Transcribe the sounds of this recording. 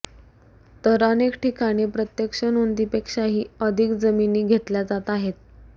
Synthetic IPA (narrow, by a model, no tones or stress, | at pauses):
t̪əɾənekʈʰikʰaɽ̃epɾət̪jəkʂənond̪ipekʂaɦiːəd̪ʱikd͡zəminiːɡʱet̪ljad͡zat̪aɦet̪̚